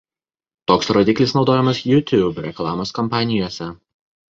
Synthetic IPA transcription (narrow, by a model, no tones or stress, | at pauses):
t̪oːksɾoːd̪ʲɪklʲɪsnɒʊd̪oːjɛmɐsjʊt̪ʲuːbɾʲɛklˠɑːmoːskɔmpɑːnʲɪjoːsʲɛ